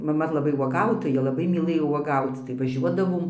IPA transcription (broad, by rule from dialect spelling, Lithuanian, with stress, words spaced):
mɐˈmɐ lˠɐˈbɐɪ uɔˈɡɐʊtoːjɛ ˈlˠɑːbɐɪ mʲiːˈlˠɘjoː uɔˈɡɐʊt͡s tɐɪ ʋɐˈʒʲuɔdɐʋoːm